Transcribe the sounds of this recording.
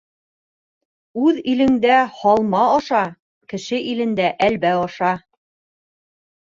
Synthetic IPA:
ʉðilɘ̆ŋd̪æhɑlˠmɑɒʃɑ | kɘ̆ʃɘʔilɘ̆nd̪æʔælβæɑʃɑ

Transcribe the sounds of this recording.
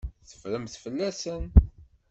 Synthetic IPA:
θə̥fɾəmθfəlːæsən

